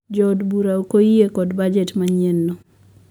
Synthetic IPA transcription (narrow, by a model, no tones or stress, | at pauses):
d͡ʒɔdbuɾaokoiekɔdbad͡ʒetmaɲenːɔ